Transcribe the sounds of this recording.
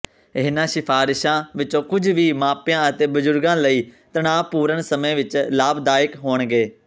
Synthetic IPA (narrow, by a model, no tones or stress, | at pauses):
ɪɦnãːʃɪpʰaːɾɪʃãːʋɪt͡ʃõːkʊd͡ʒʋiːmãːpjãːət̪eːbəd͡ʒʊɾɡãːləiːt̪əɳaːʋpuːɾəɳsəmẽːʋɪt͡ʃlaːbd̪aːɪkɦoːɳɡeː